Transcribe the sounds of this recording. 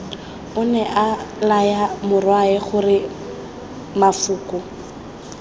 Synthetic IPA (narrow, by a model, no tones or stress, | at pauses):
ʊnɛʔalajamʊrwaɛχʊrɪ | mafʊːkʼʊ